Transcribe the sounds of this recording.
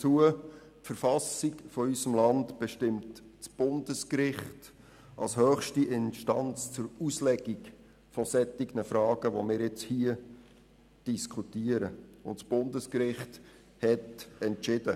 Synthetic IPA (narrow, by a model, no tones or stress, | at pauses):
t͡suə | tfəɾfɑsikfɔysəmlɑndb̥ɛʃtɪmtt͡sb̥ʊndəskɾɪχt | ʔɑ̰lshœːχʃtiʔɪnʃtɑnt͡st͡sʊɾuslɛɡiɡ | fɔsɛtɪɡnəfɾɑːɡ̥əʋo̰mɪːɾɪt͡shiə | d̥iskʰutiːəɾəʊntsb̥ʊndəskɾɪχt | hɛtɛntt͡ʃɪdə